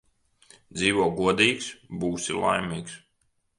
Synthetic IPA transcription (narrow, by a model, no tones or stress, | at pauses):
d̪ziːʋuɔɡuɔd̪iːksbuːsilˠa̰jmiːks